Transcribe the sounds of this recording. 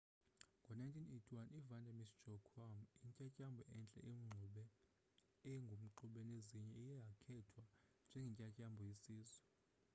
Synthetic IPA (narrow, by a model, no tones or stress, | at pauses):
ŋɡʱɔnajntʰʼinetʰʼiwanʔivandʱamisd̥d͡ʒ̥ɔkʰamiŋcʼacʼambʱɔʔɛnt͡ɬʼɛ̰ʔem̩ŋ͡ǀʱuɓɛ | ɛjɛŋɡʱom̩ǃuɓɛneziɲɛijjakʰɛtʰwand͡ʒʱɛŋɡʱɛŋcʼacʼambʱɔjisiːzwɛ